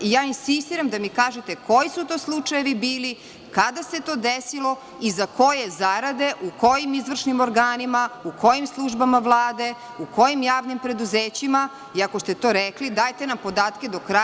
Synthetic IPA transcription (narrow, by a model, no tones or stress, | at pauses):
jaːinsist̪iɾamd̪amikaːʒet̪e̞kʰo̞jisut̪o̞ːslˠut͡ʂajeʋibiːli | kad̪ase̞t̪o̞ːd̪esilo̞ | izako̞jezaɾad̪e̞ʔuko̞jimizʋr̩ʃnimo̞ɾɡaːnimauko̞jimslˠuʒbamaʋlˠaːd̪e̞ | uko̞jimjaːʋnimpɾe̞d̪uzeːt͡ɕima | iako̞st̪e̞t̪o̞ːɾeklid̪aːjt̪enampo̞d̪aːt̪ke̞d̪o̞kɾa